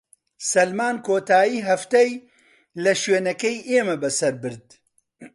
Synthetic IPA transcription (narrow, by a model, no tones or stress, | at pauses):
sɐlmaːnkʰoːt̪aːjiːɦɐft̪ɛj | lɐʃɥeːnɐkɛjʔeːmɐbɐsɐɾbɨɾd̪